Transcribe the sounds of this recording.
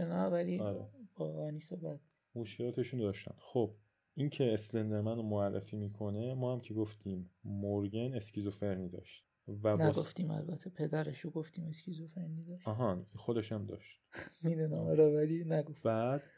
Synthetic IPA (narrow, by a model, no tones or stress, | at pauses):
enavæliɒɾebɒvænisobæd̪̥̚ | muːʃkʰeɾɒːt̪ʰeʃund̪ɒːʃt̪æ̰nd̪̥xob̥̚ | incʰeːslend̪eɾmænomoærːḛfiːmiːkʰo̞nemɒːhæmcʰeɡoft̪ʰiːmːoɾɡenescizofeɾniːd̪ɒ̰ʃt̪ | væbnːɡoft̪iːmæ̰lbæt̪ʰːe̞pʰe̞d̪æɾeʃoɡoft̪iːme̞skʰizofeɾnid̪ɒʃɒɦɑinxod̪eʃæmd̪ɒ̰ːʃt̪̚mid̪unæmɒɾɒvælinæɡofbæd̪̥